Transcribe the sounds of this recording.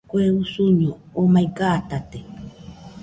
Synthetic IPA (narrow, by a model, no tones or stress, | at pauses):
kʷeusuɲõomaikat̪at̪e